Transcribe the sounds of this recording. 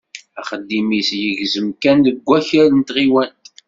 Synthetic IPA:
æχəd̪ːimisjəʝzəmkænðəɡʷːæçælənt̪ʁiwænt̪

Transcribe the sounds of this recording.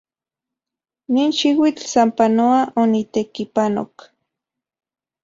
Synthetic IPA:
niːnʃiwit͡ɬsampanoaʔonit̪ekipano̰k

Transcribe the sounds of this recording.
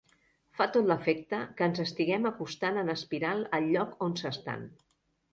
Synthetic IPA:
fat̪ot̪ləfɛk̚t̪əkəːnzəst̪iɣɛməkust̪anənəspiɾalˠəlʎɔkonsəst̪a̰n

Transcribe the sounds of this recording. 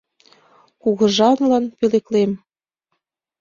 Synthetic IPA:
kuɣɤ̆ʒɑnlɑnpyleklem

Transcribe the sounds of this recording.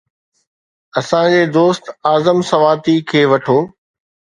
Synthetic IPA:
ɐsãd͡ʑeːd̪oːst̪aːzəmsɐʋaːt̪ikʰeːʋɐʈʰoː

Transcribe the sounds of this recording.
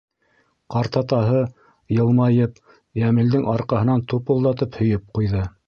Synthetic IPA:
qɑɾt̪ɑt̪ɑɦɤ | jɤ̆lˠmɑjɤp | jæmɘ̆ld̪ɘŋʔɑɾqɑhɤ̆nɑnt̪upŭlˠd̪ɑt̪ɤphɵ̆jɵp̚qujðɤ

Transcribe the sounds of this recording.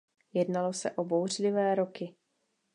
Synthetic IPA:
jɛdnalo̞sɛʔobowr̝lɪvɛːɾo̞kɪ

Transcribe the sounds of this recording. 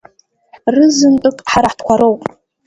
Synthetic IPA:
rɨzɨntʼɨkʼħaɾaħtʰkʷʰaɾowpʼ

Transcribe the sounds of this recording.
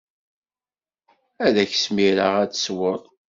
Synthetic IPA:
æðæçsmiɾaʁæt͡sswəɾˤ

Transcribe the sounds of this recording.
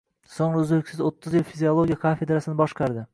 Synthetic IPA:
soŋɾʊzɪlkʲsɪzot̪ʰːɪzjɪlʲfizʲiolˠoɡʲijakʰafe̞d̪ɾasɪnɪbɒʃqɑɾd̪ɪ

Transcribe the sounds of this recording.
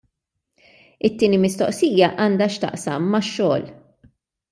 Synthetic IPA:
ɪt̪ːiːnimɪst̪ɔʔsiːjɐʔɐːnd̪ɐʃt̪ɐ̰ʔsɐmːɐʃːɔːl

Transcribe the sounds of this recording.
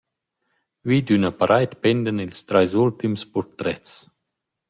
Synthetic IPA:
vid̪ynapaɾʔajt̪pɛnd̪ənilst̪ɾajzult̪imspɔɾt̪ɾɛts

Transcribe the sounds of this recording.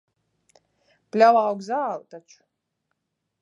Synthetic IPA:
plʲalawɡzaːlt̪at͡ʃu̥

